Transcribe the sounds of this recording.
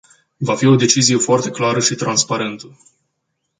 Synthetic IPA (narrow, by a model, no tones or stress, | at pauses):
vafio̞d̪e̞t͡ʃizije̞foart̪e̞klaɾəʃit̪ɾanspaɾe̞nt̪ə